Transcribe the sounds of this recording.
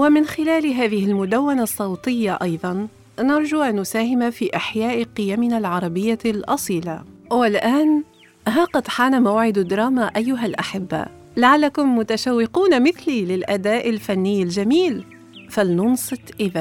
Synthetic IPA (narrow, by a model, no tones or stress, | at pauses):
wɪmɪnxɪlaːlɦaːðɪhɪlmʊd̪awːanasˤːɑwt̪ˤɪjːaʔɑjðˤɑn | nɑɾˤd͡ʒuʔanːʊsaːɦɪmafiːʔaħjaːʔqɪjamɪnalʕɑɾˤɑbɪjːalʔɑsˤiːla̰wɪlʔaːn | ɦaːqɑd̪ħaːnamawʕɪd̪d̪ɾˤɑːmaʔajːʊɦalʔaħɪbːa̰ | laʕalːakʊmːʊt̪aʃawːɪquːnamɪθlilɪlʔad̪aːʔɪlfanːɪjːɪld͡ʒamiːl | falnʊnsˤɨt̪ˤʔɪða